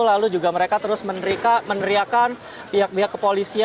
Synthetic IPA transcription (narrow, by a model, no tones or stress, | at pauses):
lalud͡ʒuɡaməɾekat̪əɾʊsmənɾikamənəɾiakan | biɦak̚biɦakːəpolisi